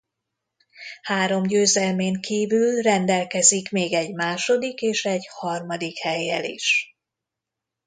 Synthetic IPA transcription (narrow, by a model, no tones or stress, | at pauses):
haːɾo̞mɟøːzɛlmeːŋkiːvylrɛnd̪ɛlkɛzikmeːɡɛɟmaːʃo̞d̪ikeːʃɛɟhɒrmɒd̪ikhɛjːɛ̰lḭʃ